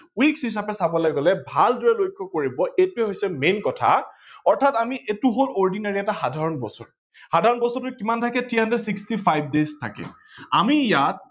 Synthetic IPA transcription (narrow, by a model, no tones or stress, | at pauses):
wiksɦis̬apɛsabɔlaɡɔlɛbʱaldɔɹɛlojkʰːɔkoɹibɔʔejtuɛɦojsɛmenkɔtʰa̰ | ɔɹtʰatamiʔetuɦolɔɹdinaɹiɛtaxadʱaɹɔnbɔ̰sɔ̰ɹ | hadʱaɹɔnbɔsɔɹtʊkimantʰakɛtʰiɦandɛdsikstipʰajb̚deztʰa̰kɛ̰ | a̰mijat̚